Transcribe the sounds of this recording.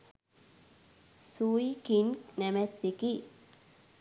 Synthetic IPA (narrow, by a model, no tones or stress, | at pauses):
suikinknɛmɛt̪ːeki